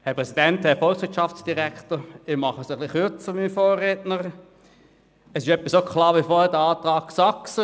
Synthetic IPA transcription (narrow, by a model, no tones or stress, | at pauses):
hɛpʁɛsid̥ɛnthɛfɔlksʋɪːtt͡ʃɑft͡sd̥iʁæktəɪmɑχəsəχliχyɐt͡səmimfoːeːtnəʁ | ɛsɪʃœpːisokχlɑːʁʋifoːhɛɐdəɑːtʁɑːkksɑksə